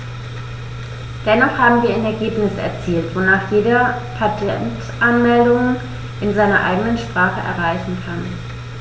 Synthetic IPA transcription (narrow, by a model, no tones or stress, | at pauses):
d̥ɛnɔχhaːbm̩viːɐaɪnɛɐɡeːpnɪsɛ̰ɐt͡siːltv̥onaːχjeːdɐpʰatʰɛ̰nt | ʔanmɛldʊŋ | ʔɪnzaɪnɐʔa̰ɪɡənənʃpʁ̥aːχəʔɛ̰ɐʁ̞aɪçn̩kʰan